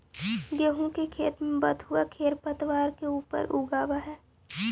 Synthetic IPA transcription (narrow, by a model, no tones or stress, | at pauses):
ɡeːɦũkekʰeːt̪mẽbət̪ɦʊakʰeːɾpət̪ʋaːɾkeuːpə̰ɾʔuːɡaːʋaɦɛː